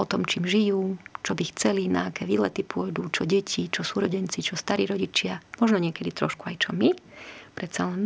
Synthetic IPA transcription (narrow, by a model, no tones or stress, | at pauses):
ɔt̪ɔmt͡ʃiːmʒijuːt͡ʃɔbixt͡sɛlinaakɛːʋiːlɛt̪ipʊɔjd̪uːt͡ʃɔɟɛcʰit͡ʃɔsuːɾɔɟɛnt͡sit͡ʃɔst̪aɾiːɾɔɟit͡ʃɪamɔʒnɔɲɪɛkɛd̪it̪ɾɔʃkuajt͡ʃɔmipɾɛt̪salɛn